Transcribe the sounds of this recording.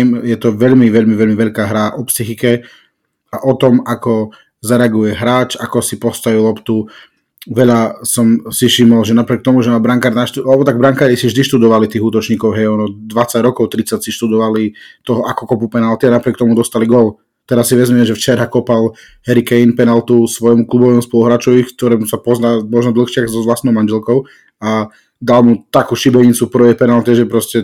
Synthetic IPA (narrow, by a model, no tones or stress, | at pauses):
mjɛt̪ɔʋɛʎmiʋɛʎmiʋɛʎmiʋɛʎkaːɦɾaʔɔpsixikɛ | aʔɔt̪ɔmakɔ | zaɾɛaɡujɛɦɾaːt͡ʃakɔsipɔst̪ajilɔpt̪u | ʋɛʎasɔmsifʃimɔlʒɛnapɾɪɛk̚t̪ɔmuʒɛnabɾaŋkaːɾnaʃt̪ualɛbɔt̪aɡ̚bɾaŋkaːɾisivʒd̪iʃt̪ud̪ɔʋalit̪iːɣuːt̪ɔt͡ʃɲiːkɔʊɦɛjɔnɔd̪ʋat͡saɟɾɔkɔʊt̪ɾit͡sacsiʃt̪ud̪ɔʋalit̪ɔɦɔʔakɔkɔpupɛnalt̪ianapɾɪɛkt̪ɔmud̪ɔst̪aliɡɔl | t̪ɛɾasːiʋɛzmiɛmʒɛft͡ʃɛɾakɔpal | hɛɾikɛinpɛnalt̪usʋɔjmuklubɔʋɛːmuspɔluɦɾaːt͡ʃɔʋikt̪ɔɾɛmusapɔznaːmɔʒnɔd̪l̩xʃɪaxzɔzʋlast̪nɔʊmand͡ʒɛlkɔʊ | a | d̪almut̪akuːʃibɛɲit͡supɾɔʋɛpɛnalt̪ɛʒɛpɾɔscɛ